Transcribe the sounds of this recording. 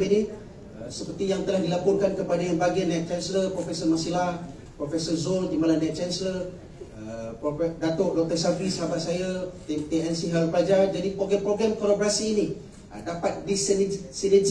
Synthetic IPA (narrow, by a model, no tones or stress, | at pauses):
eni | əsəpərt̪ijaŋt̪əlahdilapɔrkankəpadajanbaɡianajt̪̚t͡ʃɛnsələrpɾofɛsɔrmasilah | pɾofɛsɔrzondimalanajt̪̚t͡ʃɛnslər | əpdat̪oʔdɔk̚t̪ərsabisabaʔsajat̪et̪eɛnsiɦalipəlad͡ʒard͡ʒadipɾoɡɾɛmpɾoɡɾɛmkɔɾɔbɾasiːnḭ | dapat̪̚disnsined͡ʒ